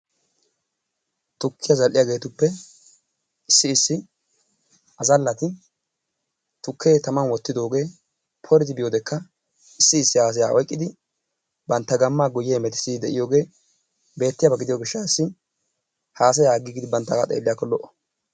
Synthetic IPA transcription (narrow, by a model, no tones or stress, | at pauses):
t̪ʊkːɪjɐzɐlʔɪjaɡe̞ːt̪ʊpːɛ | ɪsːɪːsːɪ | ʔɐzɐlːɐt̪ɪ | t̪ʊkʰːe̞ːt̪ɐmɐnwɔt̪ːɪd̪o̞ːɡe̞ː | pʰɔɾɪt̪ɪbɪjoːd̪ɛkːɐ | ɪsːɪɪsːɪhaːs̬ɐjaːʔɔjkʼːɪd̪ɪ | bɐnt̪ːɐɡɐmːaːɡʊjːeːmɛt̪ɪ̥sɪd̪ɛʔɪjoːɡe̞ː | be̞ːt̪ːɪjabɐɡɪd̪ɪjoːɡɪʃːaɪsːɪ | haːs̬ɐjaːɡɪɡɪd̪ɪbɐnt̪ːɐka̰t̪ʼḛːlːɪjakːɔlɔʔɔ̥